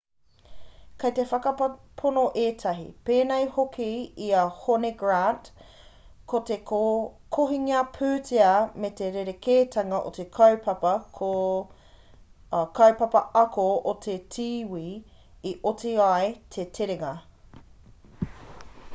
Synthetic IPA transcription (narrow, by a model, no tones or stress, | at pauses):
kʰɐjtefɐkɐ | pʰonoʔeːtʰɐɦḭpeːnejhokʰiiɐhoneɡɹant | kʰotekʰoɦiŋiɐpʰʉːtʰeɐmet̪eɾeɾekʰeːtʰɐŋɐʔo̰tekʰɐwpʰɐpɐko | kʰɐwpɐpɐʔɐkʰootʰetʰiːwiː | iʔotʰiaet̪ʰetʰeɾeŋɐ